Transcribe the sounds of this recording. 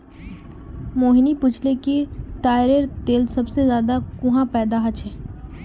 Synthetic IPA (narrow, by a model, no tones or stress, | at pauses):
moːɦɪnipʊt͡ʃʰlekit̪aːɪɾeɾt̪eːlsɐbsezjaːd̪akʊɦãpɛːd̪aɦɐt͡ʃʰɦɛː